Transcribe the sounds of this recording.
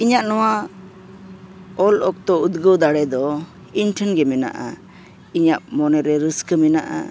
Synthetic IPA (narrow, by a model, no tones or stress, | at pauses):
iɲaʔnɔwa | ɔlʔɔk̚t̪ɔud̪ɡəwd̪aɽɛd̪ɔ | inʈʰənɡɛmɛna̰ʔa̰ | iɲaʔ̚mɔnɛɾɛɾəskəmɛna̰ʔa̰